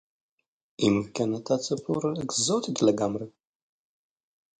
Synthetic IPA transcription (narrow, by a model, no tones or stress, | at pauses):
imkʲʰanatʰat͡sʰʼɨpʰurkzotʰit̪ʰleɡamra